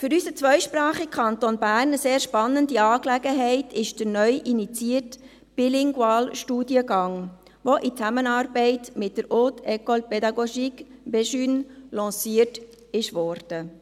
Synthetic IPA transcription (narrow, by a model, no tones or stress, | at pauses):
fʏɾysət͡sʋœʏʃprɑːχikʰɑnt̪onbæːɾnəseːɾʃpɑnːəndiɑːklɛɡəɦɛɪtʰɪʃd̥əɾnœʏʔinit͡siət | b̥ilɪŋɡwɑːlʃtuːdiəɡɑŋ | ʋoʔit͡sæmənɑːrbɛɪtmɪt̚d̥əɾotʰɛkɔlpɛdɑɡoʃikbɛʃynlɑ̃ːsiət | ɪʃʋɔːrd̥ə